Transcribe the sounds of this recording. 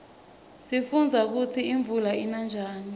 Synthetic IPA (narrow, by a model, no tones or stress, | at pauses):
sifund͡zʱak̬ut͡sʰiiɱvʱulainand͡ʒʱaːni